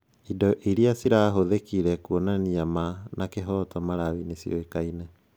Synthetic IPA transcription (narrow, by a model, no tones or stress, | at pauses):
idɔʔiɾiasiɾaːɦoðekiɾɛkuɔnaniamanakeɦɔːtɔmaɾawinesiɔ̰ekainɛ